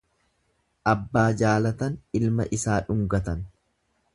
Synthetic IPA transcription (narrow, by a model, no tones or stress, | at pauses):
ʔɐbːaːd͡ʒaːlɐt̪ɐnɪlmɐʔɪsaːᶑʊŋɡɐt̪ɐn